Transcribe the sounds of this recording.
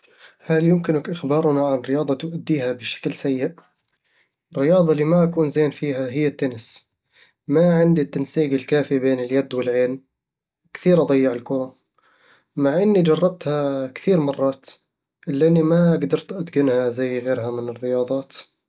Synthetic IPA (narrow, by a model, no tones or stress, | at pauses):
haljʊmkɪnakʔɪxbɑːɾˤnaʕanɪɾɪjɑːd̪ˤɑt̪ʊʔad̪ːiːhabɪʃḁklsajːɪʔ | ɪrːɪjɑːðˤɑlːiːmaʔakuːnzeːnfiːɦaɦɪjːat̪ːanɪs | maʕɪnd̪it̪ːansiːɡɪlkaːfibeːnɪljad̪wɪlʕeːn | kθiːɾʔɑd̪ˤɑjːɪʕɪlkʊɾˤɑ | maʕʔɪnːid͡ʒɑrˤːɑb̚t̪hakθiːɾmɑrˤːɑːt̪ | ʔɪlːʔanːimaɡd̪ɑɾˤt̪ʔad̪ɡɪnhazajːɣeːɾhamɪnɪrːɪjɑːðˤɑːt̪